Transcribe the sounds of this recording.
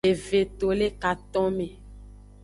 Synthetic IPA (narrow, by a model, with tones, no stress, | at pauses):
e˨ve˨t̪o˨le˦ka˨t̪ɔ̃˦me˨